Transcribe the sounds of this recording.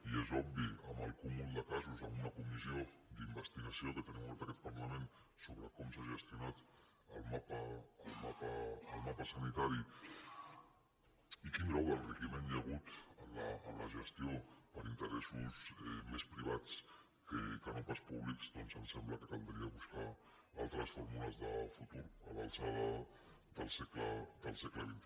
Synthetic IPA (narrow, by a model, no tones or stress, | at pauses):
iezɔbbiəməlˠkumulˠd̪əkazuzəmunəkumizio | d̪imbəst̪iɣəsioðət̪əniβəlˠt̪əkɛt̪̚pəɾləmen | soβɾəkɔmsaʒəst̪iunat̪ | əlˠmapəːlˠmapəːlˠmapəsənit̪aɾi | ikinɾɔwðəlˠrəʒimenjəɣ̞ut̪ələələʒəst̪iopəɾint̪əɾɛsusɛmespɾiβ̞at͡s | kəkənompaspuβlikzd̪ɔnsənsɛmbləkət̪ənd̪ɾiəβuska | alˠt̪ɾəsfɔɾmuləzðəfut̪uɾə̰βənsaðə | d̪əlˠsɛkləd̪əlˠsɛkləβint̪